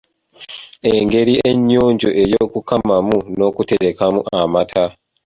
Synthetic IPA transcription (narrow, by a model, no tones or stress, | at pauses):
eŋɡe̞ɾie̞ɲːoːɲɟoʔe̞jo̞kukamamuno̞kute̞ɾekamṵʔamatʰa